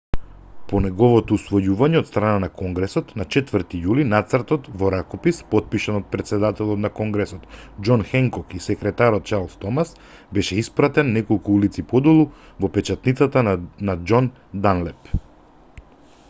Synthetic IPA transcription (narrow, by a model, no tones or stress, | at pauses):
pɔnɛɡɔvɔt̪ɔusvɔjuvaɲɛɔt̪st̪ɾananakɔŋɡɾɛsɔt̪nat͡ʃɛt̪vəɾt̪ijulinat̪srt̪ɔt̪vɔɾakɔpispɔt̪̚piʃanɔt̪̚pɾɛt̪sɛd̪at̪ɛlˠɔt̪nakɔŋɡɾɛsɔt̪d͡ʒɔnxɛŋkɔkisɛkɾɛt̪aɾɔt̪̚t͡ʃaɾlˠst̪ɔmas | bɛʃɛispɾat̪ɛnːɛkɔlˠkuulit̪sipɔd̪ulˠu | vɔpɛt͡ʃat̪nit̪sat̪anad͡ʒɔn | d̪anlɛp